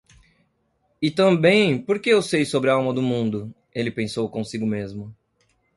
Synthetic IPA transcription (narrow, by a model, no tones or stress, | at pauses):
ɪt̪ɐ̃bẽj̃poɾkeewsejsobɾɪawmɐd̪ʊmũnd̪ʊ | elɪpẽsowkõsiɡʊmezmʊ